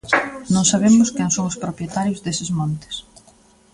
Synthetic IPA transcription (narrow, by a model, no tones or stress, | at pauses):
nõŋsaβ̞emʊskɛŋsoŋʊspɾopɾjet̪aɾjʊzðesɪzmõnt̪ɪ̥s